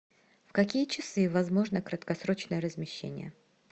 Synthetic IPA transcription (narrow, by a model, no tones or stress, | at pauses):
fkɐkʲijət͡ɕɪsɨvɐzmo̞ʐnəkɾət̪kɐsɾot͡ɕnəjəɾəzmʲɪɕːḛnʲɪ̰jə̰